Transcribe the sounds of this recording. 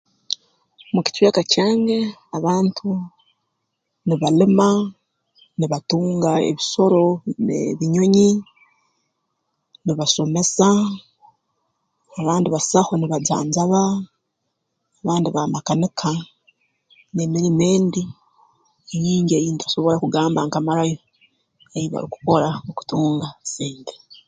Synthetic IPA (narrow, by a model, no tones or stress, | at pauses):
muci̥t͡ʃweːkacaːŋɡe̞aβaːntʰu | niβalima | niβatuːŋɡaḛβiso̞ɾo̞nḛβiɲo̞ɲi | niβaso̞me̞sa | βaːndiβasaxoniβaza̰ːɲzaβa | βaːndiβamakanikʰa | nemiɾime̞ːndi | eɲiːɲɟejiːntuaso̞βo̞ɾakuɡaːmbaŋkamaɾajo | ejiβa̰ɾiku̥ko̞ɾaoku̥tuːŋɡasiːnte̥